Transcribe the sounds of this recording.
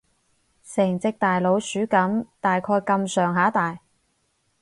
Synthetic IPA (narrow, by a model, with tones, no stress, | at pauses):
sɛː˨˩ŋt͡sɪ˧k̚t̪aː˨jlo˨˧wsyː˨˥kɐ˨˥mt̪aː˨jkʰɔː˧jkɐ˧msœː˨ŋɦaː˨˥t̪aː˨j